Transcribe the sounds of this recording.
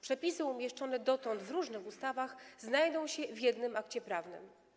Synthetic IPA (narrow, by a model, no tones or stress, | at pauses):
pʂɛpʲisɘumʲjɛʂt͡ʂɔn̪ɛd̪ɔt̪ɔnd̪vɾuʐnɘxust̪avaxznajd̪ɔ̃w̃ɕɛvʲjɛd̪nɘmakt͡ɕɛpɾavnɘ̰m